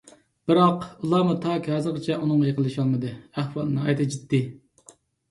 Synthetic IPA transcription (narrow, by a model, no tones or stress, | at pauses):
b̥ɨɾɑqulˠɑːmut̪ʰɑkʲhɑːzɨɾqət͡ʃʰɛunɨŋɑjeqəlˠɨʃɑlˠmɨd̪ɨæχwɑlˠnɨɑ̰jt̪ʰɨd͡ʒit̪ːɪ